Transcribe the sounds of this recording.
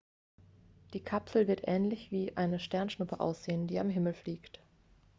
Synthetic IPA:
d̥iːkʰapsl̩vɪɐtʔɛːnlɪçv̥iːʔaɪnəʃtɛɐnʃnʊpʰəʔa̰ʊsz̥eːəndiːamɦɪml̩fliːkt

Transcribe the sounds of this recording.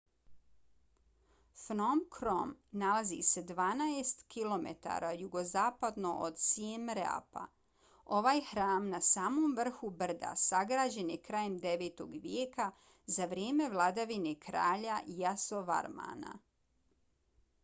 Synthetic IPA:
fnomkʰɾomnalˠazḭse̞d̪ʋaːnaest̪kʰilo̞mḛt̪a̰ɾajuɡozaːpad̪no̞ʔo̰d̪siemɾa̰pa̰ | o̞ʋaːjxɾaːmnasaːmo̞mʋr̩xubr̩d̪a̰saɡɾaːd͡ʑe̞njekɾaːje̞md̪e̞ʋeːt̪o̞̰ɡʋjeːka | zaʋɾjeːme̞ʋlˠad̪aʋinekɾaːʎajasoʋa̰ɾma̰na̰

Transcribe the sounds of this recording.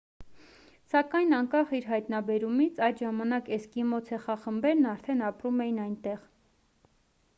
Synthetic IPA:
sɑkɑjnɑŋkɑχiɾɦɑjt̪nɑbɛɾumit͡sʰɑjd̪ʒɑmɑnɑkɛskimɔt͡sʰɛχɑχəmbɛɾnɑɾt̪ʰɛnɑpɾumɛjinɑjnt̪ɛʁ

